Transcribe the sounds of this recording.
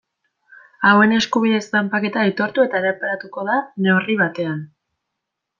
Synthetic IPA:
awe̞ne̞skuβ̞iðe̞zt̪ampake̞t̪aejt̪o̞ɾt̪ue̞t̪aeɾapaɾat̪uko̞ðane̞uriβat̪e̞an

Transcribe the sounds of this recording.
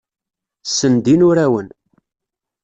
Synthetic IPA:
sənd̪inʊɾæwən

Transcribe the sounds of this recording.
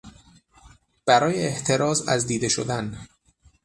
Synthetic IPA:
b̥æɾɒːjeːʔt̪ʰe̞ɾɒːzæ̰zd̪iːd̪e̞ʃo̰d̪æn

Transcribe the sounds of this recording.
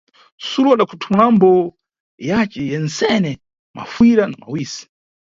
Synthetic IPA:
suɾuaɗakʰutʰumulambɔ | jat͡ʃɛjɛnsɛnɛ | ma̰fwiɾanama̰wiːsi̥

